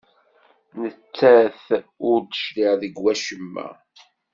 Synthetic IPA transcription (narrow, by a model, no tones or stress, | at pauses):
nət͡sːæθʊɾd̪əʃliʁðəɡwæʃəmːæ̰